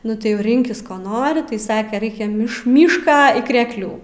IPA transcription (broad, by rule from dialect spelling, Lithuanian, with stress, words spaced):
ˈnʊ tɐɪ jɛʊ ˈrʲɪŋʲkʲɪs ˈkoː ˈnoːrʲɪ tɐɪ ˈsɑːkʲɛ ˈrɐɪkʲɛ ˈmʲɪʃ ˈmʲiːʃkɑː iː krʲɛkˈlʲuː